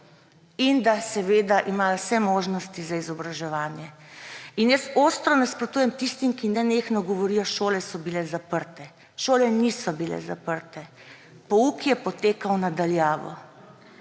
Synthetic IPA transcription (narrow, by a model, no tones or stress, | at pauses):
ind̪asɛʋeːd̪aʔimaːjasɛmoːʒnɔst̪izaizɔbɾaʒɛʋaːnjɛ | injəst̪oːst̪ɾɔnaspɾɔt̪uːjɛmt̪ist̪imkinɛneːxnɔɡɔʋɔɾijɔʃoːlɛsɔbilɛzapəɾt̪ɛ | ʃoːlɛnisɔbilɛ̰zapəɾt̪ɛ | pɔukjɛpɔt̪eːkawnad̪aljaːʋɔ̰